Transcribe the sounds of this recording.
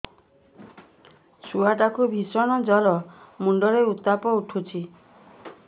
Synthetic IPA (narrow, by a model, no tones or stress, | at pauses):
suaʈakubʱisɔɽ̃ɔd͡ʒɔlɔmuɳɖɔɾeut̪apɔuʈʰut͡ʃʰi